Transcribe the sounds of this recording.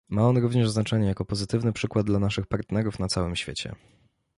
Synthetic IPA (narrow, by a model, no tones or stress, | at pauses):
maɔnɾuvɲɛʐznat͡ʂɛɲɛjakɔpɔzɘt̪ɘvnɘpʂɘkwad̪̚d̪lanaʂɘxpaɾt̪nɛɾufnat̪sawɘmɕfʲjḛt͡ɕɛ̰